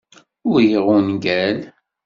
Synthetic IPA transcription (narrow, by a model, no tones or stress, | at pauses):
ʊɾjiʁʊnɡæl